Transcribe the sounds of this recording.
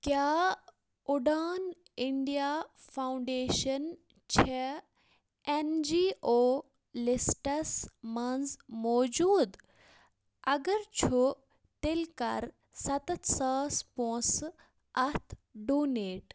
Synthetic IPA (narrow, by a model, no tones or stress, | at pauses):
kjaː | ʊɖaːn | ɪɳɖijaːfaːwʊɳɖeːʃən | t͡ɕʰe | end͡ʒiːʔoː | lɪsʈɐsmɐnzmɔːd͡ʑuːd̪ | ɐɡəɾt͡ʃʰu | t̪elkɐ̰ɾ | sɐt̪ɐt̪ʰsəːspõːs | ɐt̪ʰɖoːneːʈ